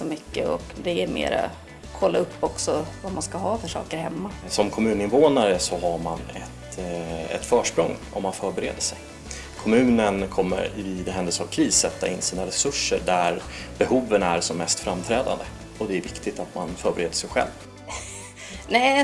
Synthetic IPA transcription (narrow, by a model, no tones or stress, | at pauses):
sɔmʏkːəɔ̰kd̪ɛæɾmḛːɾa̰ | kʰɔlːaɵpːɔksɔvamanskaɦɑːfœʂɑ̰ːkəɾhɛmːasɔmkʰɔmʉ̟ːnɪnvoːnaɾəsɔɦaɾma̰nɛt̪ɛ̰t̪fœːʂpɾɔŋː | ɔ̰mːanfœːɾbɛɾeːd̪əʂɛj | kʰɔmʉ̟ːnənkʰɔmːə̰ɾviːd̪ɛɦɛnd̪əlsaːvkʰɾiːsːɛt̪ːaɪnːsiːnaɾɛsɵʂːəɖæɾbɛhuːvənæɾsɔmːɛst̪fɾamːt̪ʰɾɛːd̪a̰nd̪ə | ɔd̪ɛæɾvɪkt̪ɪt̪at̪manfœːɾbɛɾeːd̪əʂɛjɧɛ̰lv | nɛ